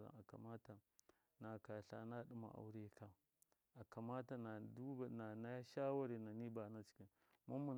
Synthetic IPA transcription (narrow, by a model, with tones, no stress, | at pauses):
a̰˨a˨ka̰˨ma˦ta˨ | na˨ka˨ɬa̰˨na˦ɗu˦ma̰˨ʔa̰˨wu˦ɾe˦˨ka˨ | a˨ka˨ma˦ta˨na˨du˦˨na˨na˦ja˦ʃa˦wa˦ɾi˨na˨ni˦ba˨na˦t͡ʃi̥˨˦ki˦ | ma˦mu˨n